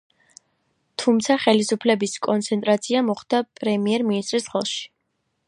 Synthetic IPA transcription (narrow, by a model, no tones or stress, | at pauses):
t̪ʰumt̪sʰaχɛlisupʰlɛbiskʼɔnt̪sʰɛnt̪ʼɾat̪sʰiamɔχd̪̥apʼɾɛmiɛɾminist̪ʼɾisχɛlˠʃi̥